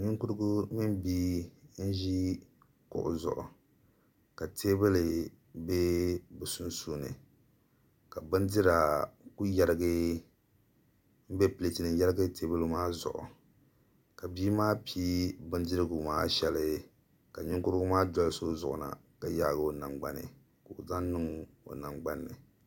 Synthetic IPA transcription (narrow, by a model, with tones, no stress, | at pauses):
ɲʊ˦ŋku˦ɾɨ˦ɡʊ˦mɪ˦nbiː˦n̩˦ʒi˦ | kʊ̰˨ʔʊ̰˨zʊ̰˨ʔʊ̰˨ | ka˨tʰeː˦bɨ˦lɨ˨ | be˦bu˨su˦nsu˦nɨ̰˨ | ka˨bɨ˦ndɨ˦ɾa˨ku˦ja˦ɾɨ˦ɡɨ˦ | m̩˦bɛ˦pɨ˨le˨ti˨nɨ˨ja˦ɾɪ˦ɡɨ˦te˦bɨ˦lɨ˦maː˦zʊ̰˨ʔʊ̰˨ | ka˨biː˦maː˦piː˦bɨ˦ndɨ˦ɾɨ˦ɡu˨maː˦ʃɛ˨lɨ˦ | ka˨ɲɪ˦kʊ˦ɾɨ˦ɡʊ˦maː˦dɔ˦lso˦zʊ˨ʔʊ˨na̰˨ka˨ja˨ɡo˨na˨ŋɡ͡ba˦nɨ̰˨ | ko˨ʔza˦n˦nɨ˦ŋ | o̰˨na˨ŋɡ͡ba˦nːɨ˨